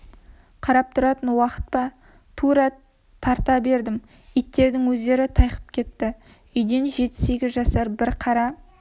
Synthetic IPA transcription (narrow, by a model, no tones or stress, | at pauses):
qʰɑɾɑp̚t̪ʰʊɾɑt̪ənwɑqə̥t̪̚pɑ | t̪ʰuɾɑ | t̪ʰɑɾt̪ɑbe̞ɾd̪ɪm | it̪ːe̞ɾd̪ɪŋwɵzd̪e̞ɾɪt̪ʰɑjqə̥p̚kʲʰe̞t̪ːɪ | ʏjd̪e̞nʒe̞t̪ːɪ̥se̞ɡʲɪzʒɑsɑɾbɪɾqʰɑɾɑ